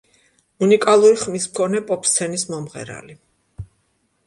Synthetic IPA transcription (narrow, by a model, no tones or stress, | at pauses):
unikʼalˠuɾiχmismkʰɔnɛpʼɔpʰst̪sʰɛnismɔmʁɛ̰ɾa̰li